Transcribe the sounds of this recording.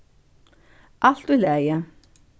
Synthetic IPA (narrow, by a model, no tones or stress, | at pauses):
ʔɑlt̪ʉlæjə